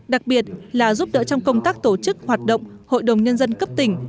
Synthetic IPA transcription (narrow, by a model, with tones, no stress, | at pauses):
ɗa˨˩k̚ɓi˨˩ət̚laː˨˩zu˦˥p̚ɗə̰˧˥t͡ɕɔ˧wŋ͡mkə˧wŋ͡mt̪aː˦˥k̚t̪o˧˩t͡ɕɨ˦˥k̚hwaː˨˩t̚ɗə̰˧˨wŋ͡mho̰˧˨jɗə˨˩wŋ͡mɲə˧nzə˧nkə˦˥p̚t̪ï˨˩ŋ̟